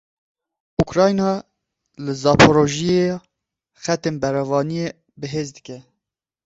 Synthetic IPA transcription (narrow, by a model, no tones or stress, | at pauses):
ukɾɑːjnɑː | lɨzɑːpʰoɾoʒije | xɛt̪eːnbɛɾɑvɑːnije | bɨɦeːzd̪ɨkʲɛ